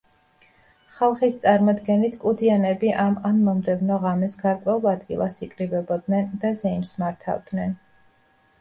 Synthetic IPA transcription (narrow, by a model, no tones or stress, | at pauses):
χalˠχist̪sʼaɾmɔd̪ɡɛnit̪ʰkʼud̪ianɛbiʔamanmɔmd̪ɛvnɔʁamɛsɡaɾkʼwɛulˠad̪ɡḭlˠasikʼɾibɛbɔd̪nɛnd̪azɛimsmaɾt̪ʰa̰vd̪nɛn